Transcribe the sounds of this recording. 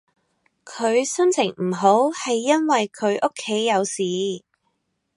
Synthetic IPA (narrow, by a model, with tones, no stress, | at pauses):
kʰɵ˨˧ɥsɵ˥nt͡sʰɪ˨˩ŋm̩˨˩ɦo˨˥whɐ˨jːɐ˥nwɐ˨jkʰɵ˨˧ɥʔʊ˥kʰːe˨˥jːɐ˨˧wsiː˨˧